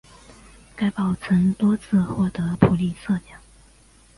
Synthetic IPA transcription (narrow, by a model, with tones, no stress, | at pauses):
ka˥ɪpɑ˨˩ʊt͡sʰə˧˥ŋt̪wɔ˥t͡sʰɹ̩˥˧xwɔ˥˩t̪ə˧˥pʰu˨˩li˥˧˩sɤ˥˧ljɑ˨˩˦ŋ